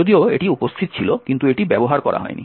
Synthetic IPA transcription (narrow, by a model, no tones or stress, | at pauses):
od̪ioḛʈiupost̪ʰit̪̚t͡ɕʰilokint̪ueʈibɛboɦaɾkɔɾa̰ɦɔ̰enḭ